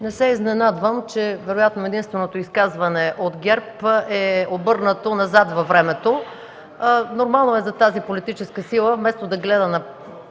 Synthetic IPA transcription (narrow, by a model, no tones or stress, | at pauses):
nɛsɛiznɛnad̪vəmt͡ʃɛvɛɾojat̪noɛd̪inst̪vɛnot̪oiskazvɐnɛʔot̪ɡʲɛɾpʔɛobɤɾnət̪onɐzat̪vɐvɾɛmɛt̪o | noɾmalˠnoɛzɐt̪azipolit̪it͡ʃɛskəsilˠəmɛst̪od̪ɐɡlɛd̪ənɐ